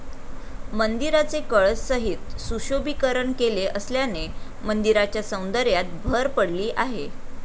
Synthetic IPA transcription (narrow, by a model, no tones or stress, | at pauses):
mənd̪iɾat͡sekəɭssəɦit̪suɕobikəɾəɳkeleʔəsljane | mənd̪iɾat͡ɕjasəw̃nd̪əɾjat̪̚bʱəɾpəɽliːʔaɦe